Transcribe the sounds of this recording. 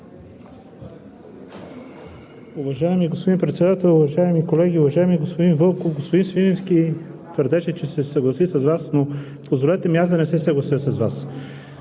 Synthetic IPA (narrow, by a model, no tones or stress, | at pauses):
uvɐʒajɛmiɡospod̪inpɾɛt̪sɛd̪at̪ɛlˠʊvɐʒaɛmikolɛɡʲiʊvɐʒajɛmiɡospod̪invɤlˠkofɡospod̪insvinɛskit̪vəɾd̪ɛʃɛt͡ʃɛsɛsɐɡlˠɐsisɐzvasno | pozvolɛt̪ɛmiazd̪ɐnɛsɛsɐɡlˠɐsiəsɐzvas